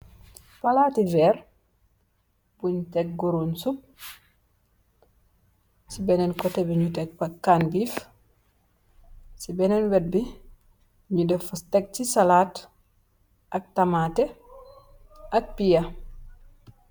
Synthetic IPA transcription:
palaːtivɛɾ | buɲtɛk̚ɡuɾonsup̚ | sibɛnɛnkɔtɛbiɲutɛk̚bakːaːnbif | sibɛnɛnwɛt̚bi | ɲudɛfustɛk̚tisalaːt | ʔak̚tamatɛ | ʔak̚pija

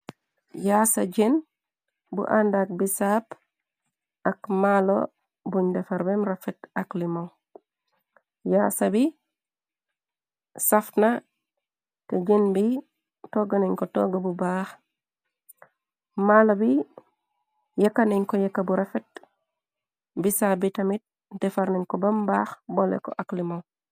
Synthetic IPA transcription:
jaːsa̰ɟen | bṵʔandak̚bisaːp | akmalo̰ | buɲdɛfaɾbemɾafetaklimoŋ | jaːsabi | safna | teɟenbi | toɡaniɲkotɔ̰ɡabubaːx | malobi | jekːaniɲkɔjekːabuɾefet̚ | bisabitamit̚ | dɛfaɾniɲkɔbɐmbaːxbolḛkɔ̰ʔaklimow

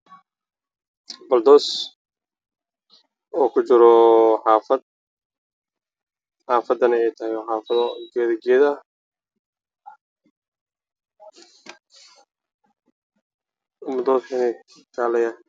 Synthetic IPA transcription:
bɐld̪ɔːs | ɔːkʰʊt͡ʃɪɾɔħɑːfɐd̪̚ | ħɑːfɐd̪ɐnɐɛjt̪ʰɐhɪjħɑːfɐðɡɛːðɡɛːðɐ | mɐd̪ɔːskʰɐnɛkʰaːlɛja

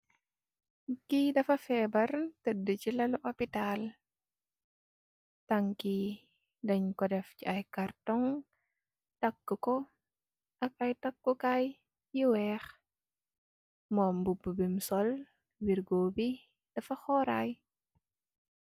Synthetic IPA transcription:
kidɐfɐfɛːbɐrtədːət͡ʃilɐluʔopital | tɐŋki | dɐɲkɔdɛft͡ʃiʔɐjkartɔŋ | tɐkːəkɔ | ʔɐk̚ɐjtɐkːukaj | jiwɛːx | mɔmbubəbimsɔl | wiɾɡoːbi | d̥ɐfɐxɔɾaj

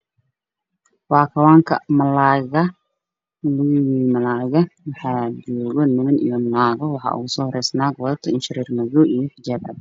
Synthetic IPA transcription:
waːkʰɐwaːŋkʰɐ̰mɐlaːɣɐ | lʊɣiːmɐlaːɣɐwɑħɑːd͡ʒuːɣɔnɪmɐnḭjɔmɐlaːɣɔwɑħɑ̰ːʔʊ̰ɣʊsɔːhɔɾɛjsnaːɡwɐðɐt̪ʰɐɪnʃɪɾiːrnɐðuːʔijɔħɪd͡ʒaːbrɐd̪

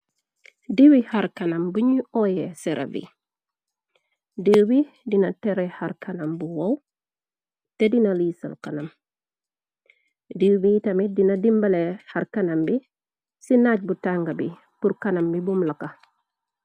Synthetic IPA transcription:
diwihaɾkɐnambuɲuʔɔjɛsɛɾʔɐ̰vḭ | dibi | dinɐtɛɾɛhaɾkɐnɐmbuwɔw | tɛdinalisɐ̰lkanam | diːbitɐmidinɐdimbɐlehaɾkanambi | sinaːc̚butaŋɡabi | puɾkanɐmbibumlaka

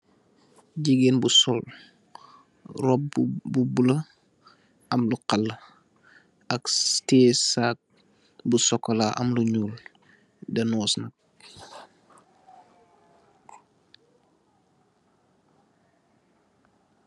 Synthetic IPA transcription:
ɟiɡenbusɔl | rɔp̚bubulə | ɐmluqalːə | ɐkstɛːsaːk̚ | busɔkːɔlaʔɐ̰mluɲuːl | dɐnɔːsnɐk̚

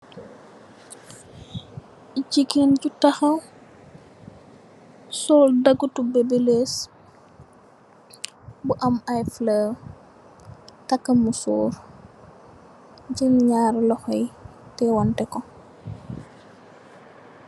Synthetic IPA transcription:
cikenɟutɐxɐw | sɔːldɐɡutubebeles | buʔɐmajflə | tɐkːɐmusoːɾ | ɟinɲaːɾlɔxɔjtɛwɔntɛkɔ

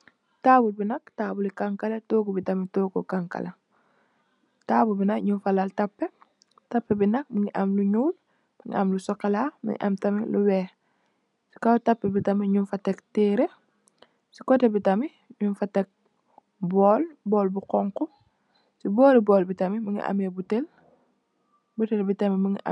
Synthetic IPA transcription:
taːbulbinɐktaːbulikaŋkalɐtoːkobitamitoːkokaŋka̰lɐ | taːbulbinɐkɲunfalaltɐpːe | tɐpːebinɐk̚miŋiʔamluɲuːl | miŋḭʔamlusɔkalamḭŋḭʔa̰mtɐmiluwɛː | si̥kawtɐpːebitɐmiɲunfɐtek̚tiːɾe | si̥kɔtebitɐmi | ɲunfatek̚ | bɔːlbɔːlbuqɔŋku | sibɔːlibɔːlbitɐmimiŋḭʔa̰mebutel | butelbitɐmimiŋi

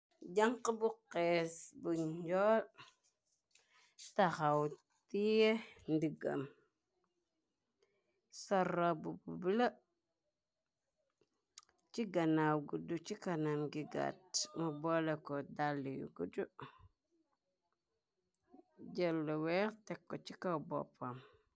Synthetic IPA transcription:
d͡ʒaŋkəbuqːesbuɲd͡ʒol | taxaw | tijendiɡa̰m | saɾabububla | t͡ʃiɡanawɡudut͡ʃikanamɡiɡa̰tmubolekodalːijṵɡudu | d͡ʒelːuweɾtekːot͡ʃikabo̰pam

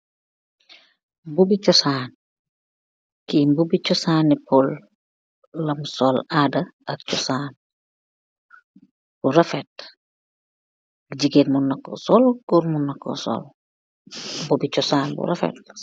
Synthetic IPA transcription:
bubit͡ʃɔsaːn | kimbubit͡ʃɔsaːnːipɔlː | ɐmsɔladɐɐk̚t͡ʃɔsaːn | b̥uɾɐfɛt̚ | ɐkɟiɡenmunːɐkːɔ̰sɔlɡɔɾmunːɐkːɔ̰sɔ̰l | bubit͡ʃɔsaːnbṵɾɐfɛ̰t̚

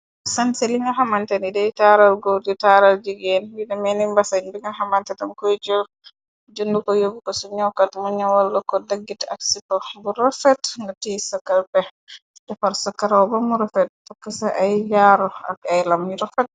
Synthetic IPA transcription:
sansɛliŋɡaɦamantɛnidɛjtaɾalɡoditaɾald͡ʒiɡɛnjidɛmɛnimbasaɲbiŋɡaɦamantɛtankɔjd͡ʒɔ | d͡ʒundukɔjobikɔsɔɲɔwkatmuɲawalːɔkɔdaɡːitaksitɔbuɾɔfɛtŋɡatisakːalpɛ | dɛfaɾsɔkːaɾawbamuɾɔfɛt̚takːasaʔajjaɾɔa̰kajlamjiɾɔfɛt̚

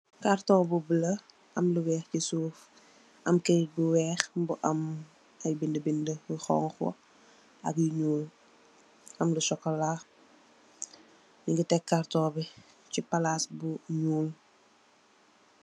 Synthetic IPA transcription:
kaɾtɔːbubəlɐ | ʔɐmluwɛːxcisuːf | ʔɐmkɛjɡuwɛːxbuʔɐm | ɐjbindəbindəxɔ̰ŋxwɐ̰ | ɐ̰kjiɲuːl | ʔɐmlusɔkːɐla | ɲiŋɡitɛkːaɾtɔːbi | cipalasbuɲuːl

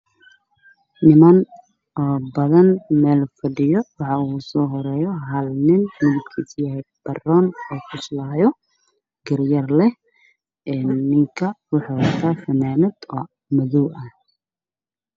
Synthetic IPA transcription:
nɪmɐn | ɔːbɐðɐnmɛːlfɐɖɪjɔwɑħɑusɔːɦɔɾɛːjɔɦɐlnɪnmɪðɪb̚kʰiːsjɐɦɛjb̥ɐrɔːnɔːkʰʊslaːjɔ | ɡɪrjɐrlɛ | ɛːnːɪŋkʰɐwɑħɑwɐrt̪ʰaːfɐnaːmɪd̪ɔː | mɐðuwʔɐh

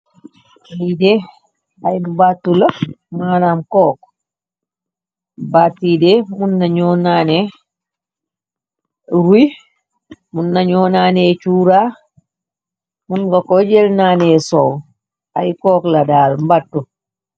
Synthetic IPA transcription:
ajdɛ | ajmbatːulɐmaːnamkɔːk | batːidɛmunːaɲɔːnaːnɛ | ɾuj | munːaɲɔːnaːnɛt͡ʃuːɾa | munɡakɔd͡ʒɛlnaːnɛsow | ajkɔːkladaːlmbatːu

